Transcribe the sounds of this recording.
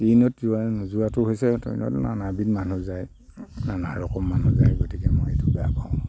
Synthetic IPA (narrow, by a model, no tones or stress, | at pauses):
tinɔtzuanuzuatʊɦojsɛtɔ̰nɔ̰tna̰nabitmanuzaj | nanaɹɔkɔmːanuza̰jɡotikɛmɔjetubɛjapaʊ̃